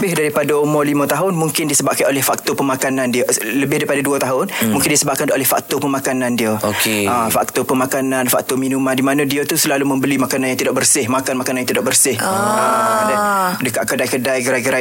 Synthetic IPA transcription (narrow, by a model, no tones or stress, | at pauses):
bɪhdaɾipadaomɔ̃limə̃t̪aɦʊnmũŋkɪndiəsəbaʔ̚kanolɛhfak̚t̪opəmakanãndiələbɪhdaɾipadaduat̪aɦʊnmuŋkɪndiəsəbaʔ̚kanolɛhfa̰k̚t̪opəmakanandiəokeafa̰k̚t̪opəmakanãnfa̰k̚t̪ominumãndimanədiət̪usəlalumə̃mbəlimakananjaŋt̪idaʔ̚bərsɪhmakanmakananjãŋt̪idaʔbərsɪhadadəkaʔkədajkədajɡəɾajɡəɾa